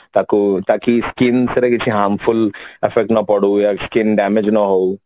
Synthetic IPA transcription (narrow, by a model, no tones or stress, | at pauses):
t̪aːkut̪aːkiskinsɐɾɐɡit͡ʃʰiɦaːɾmfʰulefʰek̚ʈnɐpɐɽujaskinɖaːmed͡ʒnaɦɐw